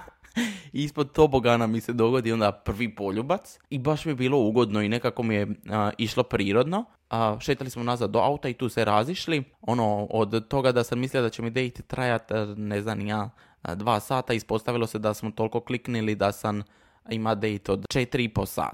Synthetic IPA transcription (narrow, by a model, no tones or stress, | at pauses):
ispo̞d̪̚t̪oboɡanamise̞d̪o̞ɡo̞d̪io̞nd̪apr̩ʋipo̞ʎubat̪sibaʃmijebiːlˠo̞uːɡo̞d̪no̞inekako̞mije̞iʃlo̞pɾiːɾo̞d̪no̞ | ʃeːt̪alismonazad̪ːoa̰ut̪ait̪uːsʋeɾaziʃlio̞nood̪t̪o̞ɡad̪asammisliod̪at͡ɕemid̪e̞jt̪t̪ɾajat̪neznamjaː | d̪ʋaːsaːt̪aispo̞st̪aʋilo̞sed̪asmot̪o̞lko̞kliknilid̪asam | imad̪ejt̪od̪t͡ʃet̪iɾiiposa̰ːt̪